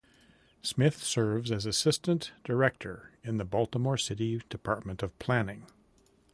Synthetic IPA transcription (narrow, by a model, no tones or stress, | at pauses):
smɪθsɜ˞vzɨzɨsɪstɨ̃nd̥ə˞ɛk̚tʰə˞ɨ̃nðɨbɔlˠtəmɔɹsɪɾid̥ɨpʰɑɹt̚mɨ̃ntʌv̥pʰl̥ænɪ̃ŋ